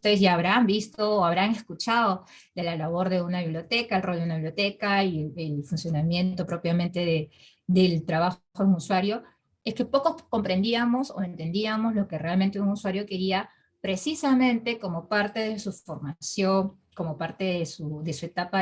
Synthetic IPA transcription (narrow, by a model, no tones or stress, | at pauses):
ut̪eesʝaːβɾambist̪oːaβ̞ɾaŋe̞skut͡ʃaðo | ðelalaβo̞ɾðe̞unaβiβljo̞t̪e̞kaelroldunaβiβljot̪e̞kaielfunsjo̞namje̞nt̪o̞pɾo̞pjamẽ̞nt̪e̞ðe | ðe̞lt̪ɾaβaxxouŋuswaɾjo̞ | eske̞po̞ko̞sko̞mpɾe̞nd̪iamoso̞̰e̞nt̪e̞nd̪iamozlo̞ke̞re̞alment̪eunuswaɾjo̞ke̞ɾia | pɾe̞sisamẽ̞nt̪e̞ko̞mo̞paɾt̪e̞ð̞e̞sufo̞ɾmasjo̞ŋ | ko̞mo̞paɾt̪e̞ðesuðe̞sue̞t̪apa